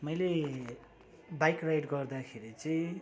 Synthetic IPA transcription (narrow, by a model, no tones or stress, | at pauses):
mʌjle | bajkrajɖɡʌrd̪akʰeɾit͡sʌj̃